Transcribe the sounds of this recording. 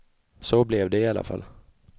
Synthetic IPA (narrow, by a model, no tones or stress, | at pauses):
soblɛvd̪ɛɪalːa̰fa̰lː